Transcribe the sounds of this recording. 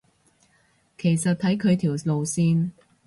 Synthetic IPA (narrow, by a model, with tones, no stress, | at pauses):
kʰe˨˩jsɐ˨t̚t̪ʰɐ˨˥jkʰɵ˨˧ɥt̪ʰiː˨˩wlo˨wsiː˧n